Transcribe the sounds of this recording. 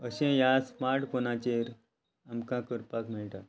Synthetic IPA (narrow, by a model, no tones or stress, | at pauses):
əɕɛ̃jasmaɾʈkonãt͡ɕeɾ | amkãkəɾpakmiɭʈa